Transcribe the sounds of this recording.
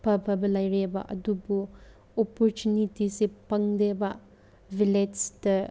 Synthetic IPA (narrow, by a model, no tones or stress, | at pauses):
pʰɐpʰɐbɐlajɾebɐ̰ʔɐ̰dubu | ɔpɔɾtunitisepɐŋdebɐ | vʱiledsdɐ